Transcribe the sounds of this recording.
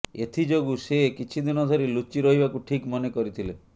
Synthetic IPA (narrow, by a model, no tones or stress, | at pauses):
et̪ʰid͡ʒoɡusekit͡ʃʰid̪inɔd̪ʱɔɾilut͡ʃːiɾɔɦibakuʈʰikmɔnekɔɾit̪ʰile